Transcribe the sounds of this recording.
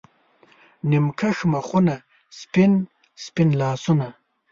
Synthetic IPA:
nimkʰaʂmɐχuna | spin | spinlɑːsuna

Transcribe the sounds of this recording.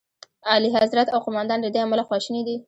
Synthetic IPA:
ɑliɦazɾat̪awqʊmɑnd̪ɑnd̪əd̪eamalaxwɑʃəned̪i

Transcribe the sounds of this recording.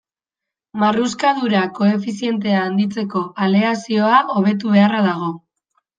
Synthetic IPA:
maruskað̞uɾako̞e̞fisie̞nt̪̬e̞aːnd̪it͡se̞ko̞ʔale̞asio̞aʔo̞β̞e̞t̪̬uβ̞e̞araðaɣ̞o̞

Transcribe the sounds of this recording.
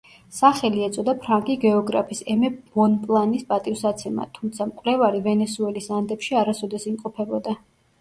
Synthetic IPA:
saχɛliɛt̪sʼɔd̪apʰɾaŋkʼiɡɛɔɡɾa̰pʰisɛmɛbɔnpʼlˠanispʼat̪ʼifsat̪sʰɛma̰t̪ʰumt̪sʰamkʼwlɛvaɾivɛnɛsuɛlisand̪ɛpʃiaɾasɔd̪ɛsimqʼɔpʰɛbɔd̪a

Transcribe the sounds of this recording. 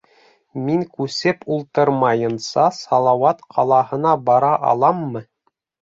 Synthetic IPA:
miŋkʉsɘpʰulˠt̪ɤɾmɑjɤ̆nsɑsɑlˠɑwɑt̪qʰɑlˠɑhɤ̆nɑbɑɾɑʔɑ̰lˠɑmːɤ

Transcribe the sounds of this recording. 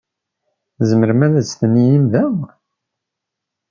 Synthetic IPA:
zəməɾmæðæsθənːijimðæw

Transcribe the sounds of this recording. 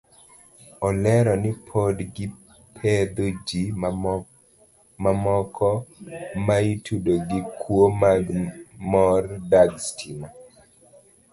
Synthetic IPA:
ɔlɛɾɔnɪpʰodɡɪ | pʰed̪od͡ʒi | mamɔkʰɔmaitudoɡɪkʰwomaɡmɔrdaɡstʰina

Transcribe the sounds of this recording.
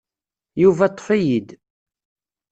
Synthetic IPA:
juvæt̪ˤːə̥fæjid̪

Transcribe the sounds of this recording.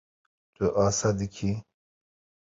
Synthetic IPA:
t̪uʔaːsad̪ikʰi

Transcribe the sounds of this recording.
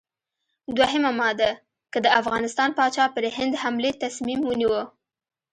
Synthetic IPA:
d̪waɦəmamɑd̪a | kəd̪əafɣɑnɪst̪ɑnpɑt͡ʃɑpəɾɦɪnd̪hamlet̪asmimwəniwə

